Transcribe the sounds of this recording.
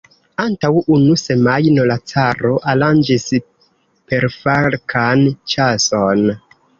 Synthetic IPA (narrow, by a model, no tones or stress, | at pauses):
antawunuse̞majnolat͡saɾo̞ʔaland͡ʒis | pe̞ɾfaɾkʰant͡ʃason